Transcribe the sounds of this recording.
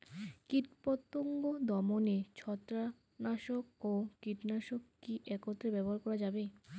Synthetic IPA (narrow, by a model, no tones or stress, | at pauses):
kiɾpot̪ːoŋɡod̪ɔmonet͡ɕʰɔt̪ːɾa | naʃok̚okiʈnaʃokkiʔɛkot̪ːɾebɛboɦaɾkɔɾad͡ʑabe